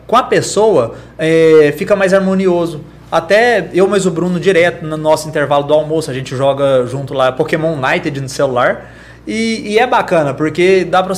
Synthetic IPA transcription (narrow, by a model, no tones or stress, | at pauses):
kõɐpesowɐɛfikɐmajzaɾmõniozʊ | at̪ɛewmɐjzʊbɾũnʊd͡ʒiɾɛt̪ʊnʊnɔsʊĩnt̪eɾvalʊd̪ʊawmosʊɐʒẽnt͡ʃɪʒɔɡɐʒũt̪ʊlapokemõnajt̪ed͡ʒɪnʊselulaɾ | ɪːɛbakɐ̃nɐpoɾked̪apɾɐ